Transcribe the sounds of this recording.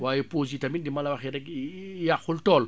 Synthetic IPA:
waːjipoːzitamindimalawaxiɾɛkjaxultɔːl

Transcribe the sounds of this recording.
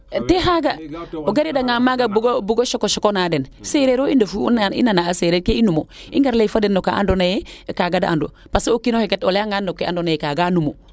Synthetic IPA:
teɦaɡaoɡaɾidaŋamaɡabuɡobuɡoʃokoʃokonadenseɾeɾoːindofunaḭnanaːseɾekeinumo | iŋɡaɾlefadenːokaʔa̰ndonajekaɡadaa̰ndo̰ | paseokinoheketoleaŋɡanːokeandonajekaɡanumo

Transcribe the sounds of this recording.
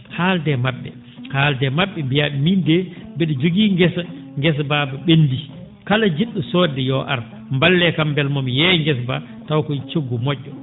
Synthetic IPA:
haldɛmaɓːɛ̰ | haːldɛmaɓːɛmbijaɓimindɛbɛɗɔd͡ʒoɡiːŋɡɛsaŋɡɛs̬babaɓendi | kalad͡ʒiɗːusɔːdɛjɔʔa̰ɾ | mbalːɛkambɛlmɔmjɛŋɡɛsba | tawkɔt͡ʃoɡːumɔʔːɔ

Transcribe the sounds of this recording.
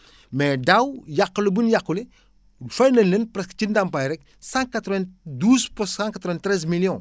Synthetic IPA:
mɛdawjaqːəlibunjaqːule | fɐjnɐnlenpɾɛskə̥cindampajɾɛk̚ | sãkat̪ɾɔvɛ̃nduːzpɔsãkat̪ɾɔɛ̃ntːɾɛz̬miljɔ̃

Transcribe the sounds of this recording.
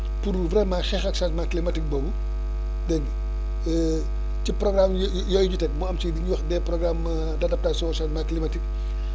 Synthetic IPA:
purvɾɛmaxɛxɐksatmaːklimɐtik̚bobu | dɛk | ɛ | ciprɔɡramj | jɔjɟutɛk̚muɐmt͡ʃidiɲuwɐxdɛːprɔɡram | dɐdɐp̚taːsɔ̃saːtmaːklimɐtik̚

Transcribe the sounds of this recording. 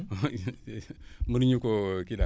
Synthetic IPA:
muɾɲukokida

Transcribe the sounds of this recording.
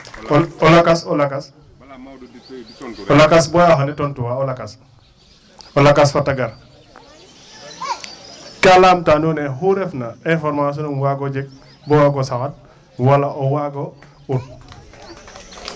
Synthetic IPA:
ɔlakasɔlakas | ɔlakasbɔjaɦanitontuwaolakas | olakasfataɡaɾ | kalamtanuneɦuɾefnainfɔɾmas̬onunwaɡod͡ʒek̚ | bɔwaɡosawat̚ | walaʔowaɡo | uɾ

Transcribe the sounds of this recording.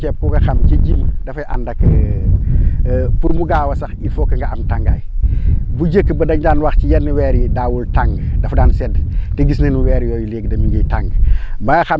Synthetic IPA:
ɛpuɡɐxamt͡ʃɐɟimdɐfɐjʔa̰ndɐkə | puɾmuɡaːwɐsɐxifokːəŋɡɐamtaŋɡa̰j | buɟəkːəbɐdɐɲdaːnwɐxcijɐnːəwɛːɾidaːwultaŋɡdɐfdaːnsɛdteɡisnenuwɛːɾjɔjuleːɡ̚dɐmiɡəjtaŋɡmbɐɡɐxam

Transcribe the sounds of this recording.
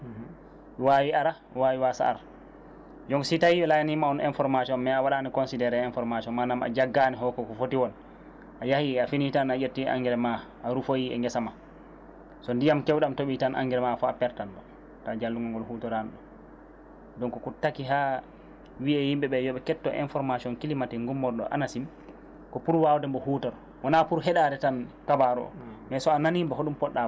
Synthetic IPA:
wawiaɾa | wawiwasa̰a̰ɾa | d͡ʒɔŋɡsitajiɛlajanimaɔnɛnfɔɾmatɔmːɛawaɗanikɔnsidɛɾɛɛnfɔɾmaʃɔmanama̰d͡ʒaɡːanɛɦɔkɔkɔfotiwɔn | ʔajahiafinitanajeɾtia̰ŋɡɛɾɛmaʔaɾufojiɛ̰ŋɡɛsama | sɔndijamkɛwɗamtoɓitanʔa̰ŋɡɛɾɛmafɔapɛɾtanɗɔ | tad͡ʒalːuŋɡɔŋɡɔlhuːtɔɾanɗɔ | dɔnkɔkutakiɦa | wiɛhimɓɛɓɛjɔɓɛkɛtːɔʔḭnfɔɾmasiɔnkilimatɛŋɡumːɔɾɗɔ̰ʔa̰nasim | kɔpuɾwawdɛmbɔhuːtɔɾ | wanapuɾɦɛɗadɛtankabaɾɔ̰ɔ̰mɛsɔananimbɛɦoɗumpɔɗːaa

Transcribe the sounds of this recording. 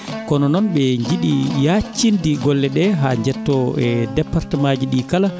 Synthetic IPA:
kɔnɔnɔnɓɛɲd͡ʒiɗijat͡ʃːindiɡɔlːɛɗɛɦaɲd͡ʒɛtːɔɛdɛpːaɾtɛmad͡ʒiɗikala

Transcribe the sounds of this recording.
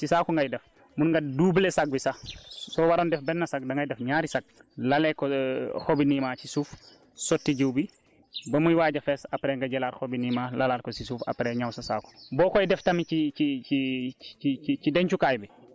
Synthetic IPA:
sisaːkɔŋɡajdɛf | munŋɡaduːblesak̚wisasɔwaɾɔndɛfbɛnːɐsak̚dɐŋɡajdɛfɲaːɾisak̚lalɛkɔxobinimaːt͡ʃisuːf | sɔtːiɟuwbi | bɐmujwaːɟɐfɛːsapɾɛŋɡaɟɛlaːɾxobinimaːlalaːlkɔsisuːfa̰pɾɛɲawsɐsa̰ːkɔ̥bɔːkɔjdɛftɐmiiiiiit͡ʃidɛɲt͡ʃukajbɛ

